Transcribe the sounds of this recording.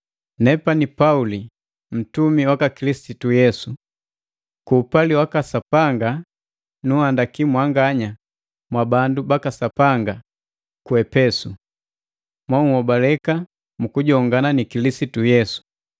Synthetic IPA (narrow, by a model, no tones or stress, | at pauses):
nɛpanipauli | m̩tumiwakakilisitujɛsu | kuːpaliwakasapaŋɡa | nuhandakimwaŋɡaɲa | mwabandubakasapaŋɡa | kuɛpɛsu | mwauhɔbalɛka | mukuɟɔŋɡananikilisitujɛsu̥